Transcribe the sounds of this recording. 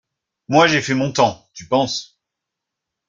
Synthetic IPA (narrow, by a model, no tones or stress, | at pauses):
mwaʒefɛmɔ̃t̪ɑ̃t̪ypɑ̃s